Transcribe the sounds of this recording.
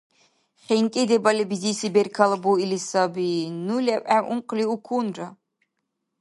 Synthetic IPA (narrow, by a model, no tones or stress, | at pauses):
χʲɛŋkʲʼɛd̪ɛbalʲibizisibɛɾkʰalˠbuilisabinulʲɛpʼæʔuɴqʰʼliukʰunra